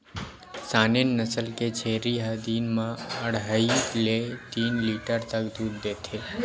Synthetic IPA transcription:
sanenːəsəlked͡ʒʰeɾiɦəd̪inmãəɽɦailet̪inliʈəɾt̪əkd̪ud̪ːet̪ʰe

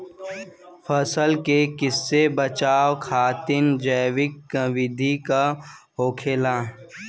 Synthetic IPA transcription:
fʰəsəlkekɪsːebət͡ʃaːwkʰaːt̪ɪnd͡ʒəːʋɪkʋɪd̪ʱika | ɦoːkʰeːlaː

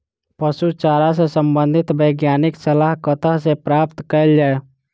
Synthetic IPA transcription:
pəsut͡ʃaɾas̬esəmbə̃nd̪ʱɪt̪bəɡjaːnɪksəlaɦkət̪aɦsepɾapt̪kəjld͡ʒaːe

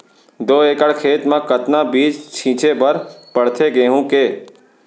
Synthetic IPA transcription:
d̪oːeːkəɽkʰeːt̪mãːkət̪nabiːd͡ʒt͡ʃʰĩːt͡ʃebəɾpəɽt̪ʰeɡeːɦũkeː

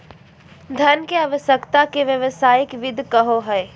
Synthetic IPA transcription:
d̪ʱɐnkeaːʋəʃjəkt̪akeʋjəʋəsaːjɪkʋɪd̪ʱkəɦoɦɛe

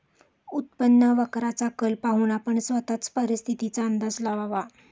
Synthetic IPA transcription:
ut̪̚pənːəʋəkɾat͡sakəlpaɦuːnapəɳsʋət̪at͡spəɾist̪ʰit̪it͡saənd̪əd͡zlaʋaʋa

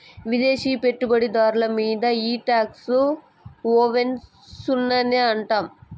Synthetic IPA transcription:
ʋid̪e̞ːʃiːpe̞ʈːubɐɽid̪aːɾulɐmiːd̪ɐiːʈaːksu | oːʋen | sunːɐneɐɳʈaːm

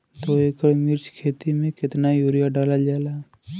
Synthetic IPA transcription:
t̪oeːkəɽmɪɾt͡ʃkʰeːt̪imẽkɪt̪najuːɾijaɖaːlad͡ʒaɛla

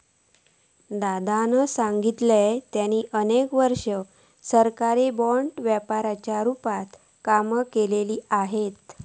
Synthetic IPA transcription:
d̪ad̪anəsãŋɡit̪let̪janiːʔənekʋəɾʂə | səɾkaɾebɔɳʈʋjəpaɾat͡ɕjaɾupat̪ | kaməkeleliːaɦet̪

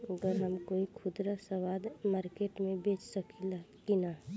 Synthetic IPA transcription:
əɡəɾɦəmkoikʰʊd̪ɾasəwad̪maːɾkeʈmẽbet͡ʃsəkilakina

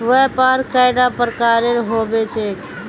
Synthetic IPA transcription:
ʋəpaɾkːaɪɖapəɾkaːɾenɦoːbet͡ʃeːk

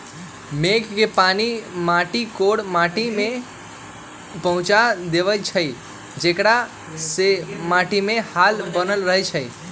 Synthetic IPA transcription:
meɡkepanimaʈikoɽmaʈimẽ | pəɦʊ̃t͡ʃad̪eʋəjt͡ʃʰəj | d͡ʒekɽa | semaʈimẽhalbənəlɾəɦjt͡ʃʰəj

